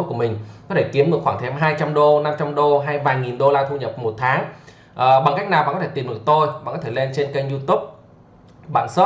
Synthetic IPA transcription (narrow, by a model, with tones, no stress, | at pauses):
kəmï˨˩ŋ̟kɔ˨˦t̪ʰe˧˩ki˨˦mɗɨ˨˩əkxaː˧˩ŋt̪ʰɛ˧mɦaː˧jt͡ɕa˧mɗo˧na˧mt͡ɕa˧mɗo˧ɦaː˧jvaː˨˩jŋi˨˩nɗo˧laː˧t̪ʰu˧ɲə˨˩p̚mo˨˩t̚t̪ʰaː˨˦ŋ | ʔəː˨˩ɓa˨˩ŋka˦˥jk̚naː˨˩wɓaː˧˨kɔ˨˦t̪ʰe˧˩t̪i˨˩mɗɨ˨˩ək̚t̪o˧jɓaː˧˨kɔ˨˦e˧˩le˧nt͡ɕe˧nkə˧jŋzu˧t̪u˦˥p̚ | ɓa̰ː˧˨nso˦˥